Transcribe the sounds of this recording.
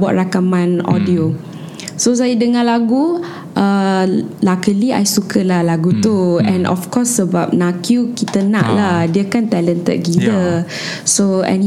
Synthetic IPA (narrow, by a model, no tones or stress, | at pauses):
bɔ̰ʔ̚rakamãnɔ̰dio | sos̬ajədəŋãlaɡu | ʔə | lakəlia̰jsukʰəlahlaɡut̪uɛ̃nʔɔ̰fkɔsːəbap̚nakjukit̪ənã̰ʔlahdiəkant̪ɛlənt̪ə̰t̪̚ɡilə | soɛ̰̃n